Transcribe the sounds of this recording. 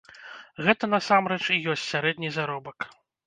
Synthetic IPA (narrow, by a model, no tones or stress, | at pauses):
ɣɛt̪ɐn̪ɐsamɾɛt͡ʂijɔsʲtʲsʲaɾɛd̪ʲnʲizaɾɔbɐk